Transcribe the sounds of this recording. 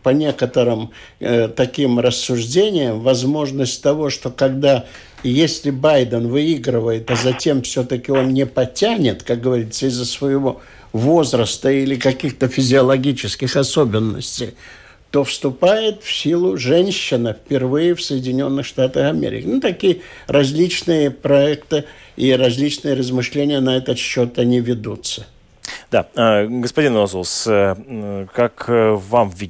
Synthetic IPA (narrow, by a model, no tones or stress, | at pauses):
pɐnʲe̞kət̪əɾɨm | ət̪ɐkʲimrəsːʊʐdʲenʲɪjəmvɐzmo̞ʐnəsʲtʲt̪ɐvo̞ʂt̪o̞kɐɡd̪a | jesʲlʲɪbajd̪ənvɨiɡɾɨvəjɪt̪ɐzɐtʲe̞mfsʲot̪əkʲɪo̞nnʲɪpɐtʲænʲɪt̪kak̚ɡəvɐɾʲit̪sːəɪzːəsvəjɪvo̞ | vo̞zɾəst̪əilʲɪkɐkʲixt̪əfʲɪzʲɪɐlˠɐɡʲit͡ɕɪskʲɪxɐso̞bʲɪnːə̰sʲtʲɪj | t̪o̞fst̪ʊpajɪt̪fsʲilˠʊʐɛnʲɕːɪnəfʲpʲɪrvɨjɪfsəjɪdʲɪnʲo̞nːɨxʂt̪at̪əxɐmʲḛɾʲɪ̰kʲɪnut̪ɐkʲijəɾɐzʲlʲit͡ɕnɨjəpɾɐɛkt̪ɨiɾɐzʲlʲit͡ɕnɨjəɾəzmɨʂlʲenʲɪjənɐɛt̪ət̪ɕːot̪ɐnʲivʲɪd̪ut̪sə | d̪a̰əɡəspɐdʲinɐzolˠs | kakvamvʲi